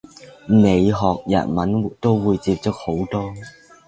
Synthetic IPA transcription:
ne˨˧jɦɔː˨k̚jɐ̰˨˩nmɐ˨˥nt̪o˥wːuː˨˧jt͡siː˧p̚t͡so˥k̚ho˨˥wt̪ɔː˥

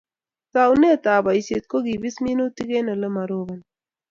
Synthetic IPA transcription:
sawne˦t̪aːba˨jset̪̚ko˦ɡi˨bi˦smi˦no˦t̪i˦ɡe˦nɐlɐmɐ˨ɾoβɐn

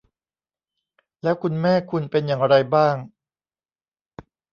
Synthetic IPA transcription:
lɛː˦˥wkʰu˧nmɛː˥˩kʰu˧npe˧njaː˨˩ŋɾa˧jbaː˥˩ŋ

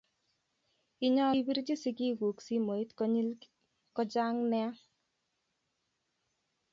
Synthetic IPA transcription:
i˦ɲɔ˦i˦bi˦ɾt͡ʃi˦si˦ki˦ku˨ksi˦mo˨i˦tkɔɲi˦l | kɔ˦d͡ʒa˦ŋnɛ˦a˦

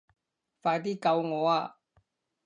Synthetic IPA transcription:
faː˧jt̪̬iː˥kɐ˧wŋɔː˨˧aː˧

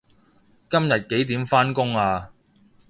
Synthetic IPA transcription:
kɐ˥mjɐ˨t̚ke˨˥jt̪iː˨˥mfaː˥nkʊ˥ŋaː˧

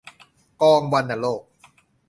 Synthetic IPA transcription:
kɔː˧ŋwa˧nːa˧˩loː˥˩k̚

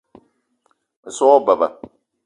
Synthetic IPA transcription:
ə˨sɔ˦ba˨ba̰˨

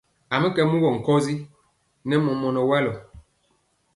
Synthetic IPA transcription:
a˨mə˦kɛ˦mu˦ɣɔ˨ŋ̩˨kɔ˦zi˦ | nɛ˦mɔ˨mɔ˨nɔ˨wɛ˦lɔ˨

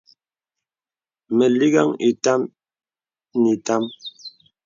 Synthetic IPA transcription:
mɛ˨li˦ɡa˦ŋi˨ta˦m | ni˨ta˦m

